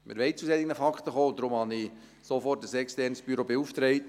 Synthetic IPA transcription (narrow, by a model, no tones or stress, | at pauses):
mɪ̰ɾʋɛɪt͡susɛd̪ɪɡənəfɑkχt̪əχoːd̪ɾʊmhɑnɪ | sofɔrtəsɛkstɛrnsb̥yɾobeuft̪ɾɛɪt